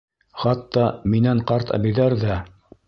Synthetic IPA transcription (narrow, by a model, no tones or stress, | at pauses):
χɑt̪ːɑminæɴqɑɾt̪ʰæ̰bɘ̆jðæɾðæ